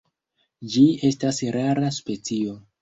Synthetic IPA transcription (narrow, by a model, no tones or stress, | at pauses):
d͡ʒie̞stasɾaɾaspe̞t͡sio̞